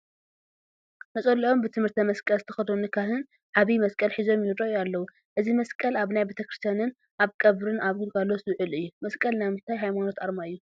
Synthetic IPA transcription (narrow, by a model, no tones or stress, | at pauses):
nɐt͡sʼɐlːiʔo̞mbɨt̪ʰɨmɨɾt̪ʰɐmɐskʼɐlzɨt̪ʰɐ̥xɐd̪onɨkʰaɦɨn | ʕaβimɐskʼɐlħizo̞mjɪhd̪ʼojualːɐwu | ʔɨzimɐskʼɐlaβnajbet̪ʰɐkɾɨst̪ʰjanɨn | ʔaβkʼɐβɾɨnaβɡɨlkʰalːo̞sɨβʕɨlɨjːumɐskʼɐlnajmɨt̪ʰajɦajmano̞t̪aɾmaɨjːu